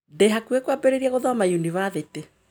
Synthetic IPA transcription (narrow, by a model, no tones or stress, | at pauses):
dɛɦakuekwabeɾeɾiaɣoðɔamajuniβaðete